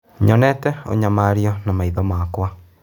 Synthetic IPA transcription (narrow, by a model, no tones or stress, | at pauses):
ɲɔnɛtɛo̰ɲamaɾjɔnamaiðɔmakwa